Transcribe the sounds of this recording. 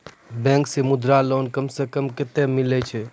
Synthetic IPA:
bɛ̃ːŋksemʊd̪ɾalonkəmsekəmkɪt̪emilɛt͡ʃʰɛ

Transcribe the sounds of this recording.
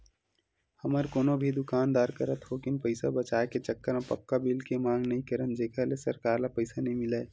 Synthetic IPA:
hɐməɾkoːnobʱid̪ʊkaːnd̪aːɾkəɾət̪ɦokɪnpəɪsabɐt͡ʃaːeket͡ʃəkːəɾãpɐ̰kːabiːlkemãːŋɡnɐɦĩkəɾənd͡ʒeːkʰəɦlesɐɾkaːɾlapəɪsanɐɦĩmɪlaː

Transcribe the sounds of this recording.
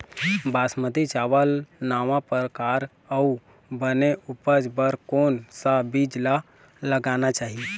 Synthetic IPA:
basməd̪it͡ʃaʋəlnaːʋãpəɾəkaɾ | əu | bəneʔupəd͡ʒbəɾkonsabid͡ʒla | ləɡanat͡ʃaːɦi

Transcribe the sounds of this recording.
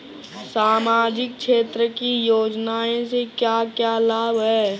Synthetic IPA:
saːmaːd͡ʒɪk̚ʃeːt̪ɾəkijoːd͡ʒnaːẽsekjakjaːlaːbɦɛː

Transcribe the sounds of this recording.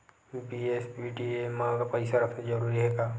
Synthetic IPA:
biesbiːɖiemãɡapɐɪsaɾɐkʰnad͡ʒɐɾuːɾiɦɛːɡaː

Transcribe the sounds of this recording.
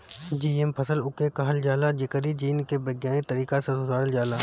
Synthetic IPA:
d͡ʒiːempʰəsəlʊkekəɦəld͡ʒaːlaːd͡ʒɪkəɾiːd͡ʒiːnkebəɡjaːnit̪əɾiːkasẽsʊzʱaːɽəld͡ʒaːlaː

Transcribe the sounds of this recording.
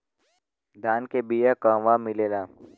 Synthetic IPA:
d̪ʱaːnkebijakaːʋamɪleːlaː

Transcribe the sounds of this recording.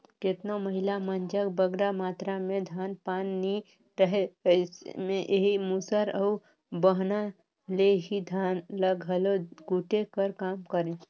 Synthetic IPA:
ket̪noməɦɪlamənd͡ʒəkbəɡɾamaːt̪ɾamẽd̪ʱaːnpaːnːi | ɾəɦeɪsmẽʔeɦimusəɾəu | bəɦna | leɦid̪ʱaːnləɡɦəloɡuːʈekəɾkaːmkəɾẽː

